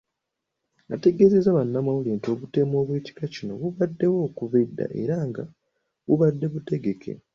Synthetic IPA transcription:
ŋɡate̞ɡe̞zezaβanːamawuliːnto̞βute̞ːmo̞ːβwiti̥kacino̞βuβadːe̞wo̞ːkuvidːa̰ʔe̞̰ɾaŋɡa | βuβadːe̞βute̞ɡe̞kʰe̞̰

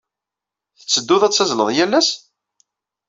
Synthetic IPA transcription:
θə̥t͡sːəd̪ːuðæt͡sːæzləðˤjælːæs

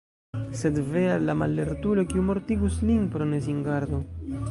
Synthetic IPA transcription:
se̞dvealːamalːeɾtulo̞kiumo̞ɾtiɡuslinpɾoneziŋɡaɾd̪o

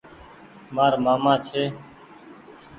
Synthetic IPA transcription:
maːɾmaːmãːt͡ʃʰeː

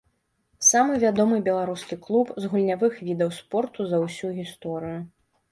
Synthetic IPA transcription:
samɨvʲad̪ɔmɨbʲɛlˠaɾuskʲiklˠupzɣulʲnʲavɨxvʲid̪ɐwspɔrt̪uzɐwsʲuɣʲist̪ɔɾɨju

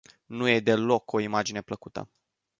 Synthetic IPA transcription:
nuje̞d̪e̞lo̞kʰo̞imad͡ʒine̞pləkut̪ə̰

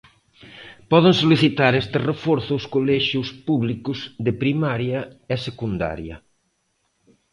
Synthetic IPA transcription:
pɔðeŋsoliθit̪aɾest̪ɪrefɔɾθʊːskolɛʃjʊspuβlikʊzðɪpɾimaɾjɐɛsekund̪a̰ɾjɐ

